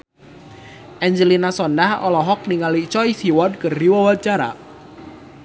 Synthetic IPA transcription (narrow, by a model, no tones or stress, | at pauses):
ʔɛɲd͡ʒəlinasɔndahɔ̰lɔɦɔk̚niŋalit͡ʃɔisiwɔd̚kərdiwawat͡ʃaɾa̰